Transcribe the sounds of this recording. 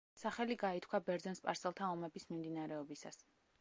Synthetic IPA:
saχɛliɡait̪ʰkʰwabɛɾd̪zɛnspʼa̰ɾsɛlˠt̪ʰaɔmɛbismimd̪inaɾɛɔbisa̰s

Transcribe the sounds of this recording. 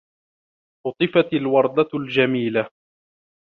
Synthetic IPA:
ʔʊt̪ˤɨfat̪alwɑɾˤd̪ˤald͡ʒamiːla

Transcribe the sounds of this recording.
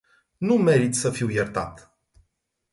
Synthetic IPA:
nume̞ɾit̪səfiwjert̪a̰t̪

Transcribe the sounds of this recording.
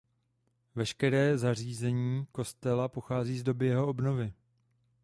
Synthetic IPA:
vɛʃkɛɾɛːzar̝iːzɛɲiːko̞st̪ɛlapo̞xaːziːzdo̞bɪjɛɦo̞obno̞vɪ

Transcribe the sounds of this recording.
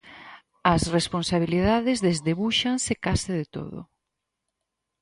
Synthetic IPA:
ɐsresponsaβ̞iliðaðezðezðeβuʃansekasɪðet̪o̰ðo̰

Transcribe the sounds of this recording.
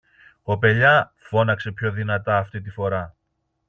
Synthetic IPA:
ko̞pe̞ʎɐ | fo̞nɐkse̞pço̞ðinɐt̪ɐːft̪it̪̬ifo̞ɾɐ

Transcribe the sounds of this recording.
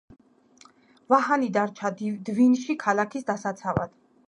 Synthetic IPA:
vahanid̪aɾt͡ʃʰad̪vinʃikʰalakʰisd̪asat̪sʰava̰d̪̥

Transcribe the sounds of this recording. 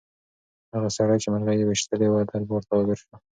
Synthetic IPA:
haɣasaɽajt͡ʃemalɣajewɪʃt̪əlewad̪albawaɾt̪awaɡɪɾʃwa

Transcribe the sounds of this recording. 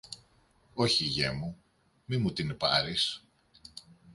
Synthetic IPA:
o̞çiʝemu | mimut̪inpɐ̰ɾis

